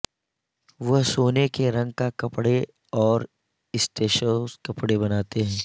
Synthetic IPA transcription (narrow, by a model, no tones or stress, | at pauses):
ʋɐɦsoːnekeɾɐ̃ŋɡkakɐpɽe | ɔːɾ | ɪsʈeːʃəskɐpɽebɐnaːt̪eɦɛ̃ː